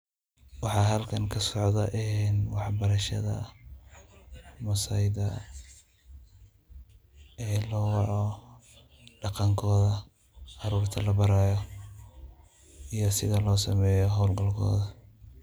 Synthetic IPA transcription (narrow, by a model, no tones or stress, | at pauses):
wɑħɑːɦɐlkʰɐŋkʰɐsɔʕðɐʔɪnwɑħbɐɾɐʃɐ̰ðɐ̰ | mɐsɐjðɐ | ɛːlɔːwɑʕɔ | ɖɑqɑŋkʰɔːðɐ | ʔɑɾuːrt̪ʰɐlɐbɐɾaːjɔ | ijɔsɪðɐlɔːsɐmɛːjɔɦɔwlɡɐlkʰɔ̰ːðɐ